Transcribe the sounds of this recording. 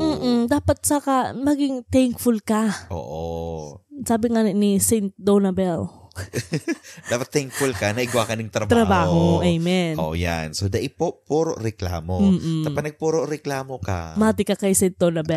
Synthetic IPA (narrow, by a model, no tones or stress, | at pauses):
m̩ːʔmd̪aːpɐt̪̚sɐkamɐɡɪŋt̪ɛŋkfʊlkɐʔo̰ːʔo | saːbɪŋanɪnisɛjnt̪̚d̪onɐbɛl | d̪aːpɐt̪ːɛŋkfʊlkɐnɐʔɪɡwakɐnɪŋt̪ɾɐb̪ɾɐbaːhoʔɛjmɛnʔo̰ʔja̰nsod̪ɐʔɪpopuːɾoʔɾɛkla̰ːmom̩ːʔt̪ɐɐnɐɡ̚puːɾoʔɾɛklaːmokɐ̰maːt̪ɪkɐkɐjsɛjnt̪̚d̪onɐbɛ